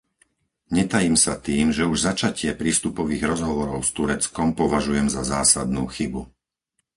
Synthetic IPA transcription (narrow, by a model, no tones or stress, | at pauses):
ɲɛt̪ajimsat̪iːmʒɛuʒzat͡ʃacɪɛpɾiːst̪upɔʋiːɣɾɔzɦɔʋɔɾɔʊst̪uɾɛt͡skɔmpɔʋaʒujɛmzazaːsad̪nṵːxibu